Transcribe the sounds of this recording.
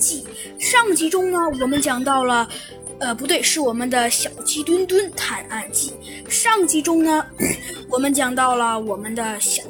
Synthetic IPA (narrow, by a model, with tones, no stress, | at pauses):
t͡ɕi˥˩ | ʂɑ˥˩ŋt͡ɕi˧˥ʈ͡ʂʊ˥ŋnə˨wɔ˨˩mə˧˦nt͡ɕjɑ˨˩ŋt̪ɑ˥˩ʊlə˩ | ə˧pu˧˥t̪we˥˧ɪʂɻ̩˥˩wɔ˨˩mə˦nd̪ə˧ɕjɑ˨˩ʊt͡ɕʰi˥t̪wə˥nt̪wə˥nt̪ʰa˧˥na˥˩nt͡ɕi˥˩ | ʂɑ˥˧ŋt͡ɕi˧˥ʈ͡ʂʊ˥ŋnə˨wɔ˨˩mə˦nt͡ɕjɑ˨˩ŋt̪ɑ˥˩ʊlə˩wɔ˨˩mə˦nd̪ə˧ɕ